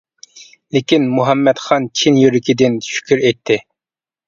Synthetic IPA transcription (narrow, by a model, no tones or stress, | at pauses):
lɪkʲinmuɦɛmːɛt̪χɑnt͡ʃʰinjyɾɪkʲʰid̪ɪnʃy̥kʲʰyɾet̪ʰːɪ